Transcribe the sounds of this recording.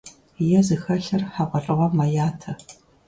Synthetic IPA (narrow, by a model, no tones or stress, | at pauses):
jɛzɨxɐɬɐrħaʁʷɔrʼɨʁɔmajaːtʰɐ